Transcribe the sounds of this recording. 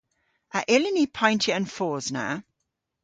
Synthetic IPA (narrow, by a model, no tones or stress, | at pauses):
əʔɪlɪnipʰãɪ̃ntʰiə̃nfɔːznə̰